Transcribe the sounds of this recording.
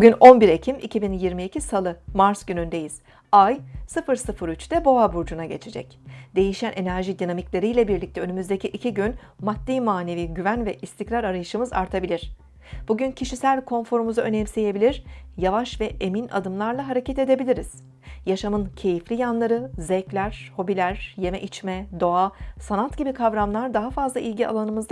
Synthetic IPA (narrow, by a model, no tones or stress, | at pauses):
buɟʲynʔo̞nbiɾe̞cʰimicʰibinjiɾmiːcʰisalˠɯmaɾsɟ̥ynynd̪e̞jiz̥ | ajsɯfɯɾsɯfɯɾyt͡ʃt̪ɛbo̞abuɾd͡ʒunaɟe̞̰t͡ʃʰe̞d͡ʒɛ̰c | d̪̥e̞jiʃænʔe̞næɾʒid̪inamiclʲe̞ɾijlʲɛbiɾlʲic̚t̪ʰɛønymyzd̪ecʰiʔicʰiɟyn | mat̪̚d̪iːmaːne̞viːɟyvænvɛʔist̪ʰicɾaɾaɾajɯʃɯmɯza̰ɾt̪ʰabilʲiɾ̝̥ | b̥uɟyncʰiʃisælʲkʰo̞nfo̞ɾumuzaø̞nɛmse̞je̞bilʲiɾ̥javaʃvɛʔe̞mina̰d̪ɯmlˠaɾlˠaɦaɾecʰɛt̪e̞d̪e̞bilʲiɾiz̥ | jaʃamɯncʰe̞jiflʲijanlˠaɾɯzɛclʲæɾ̥ho̞bilʲæɾ̥je̞mɛʔit͡ʃmɛd̪o̞asanat̪ɟibikʰavɾamlˠaɾd̪aɦafazlˠaʔilʲɟia̰lˠanɯmɯzd̪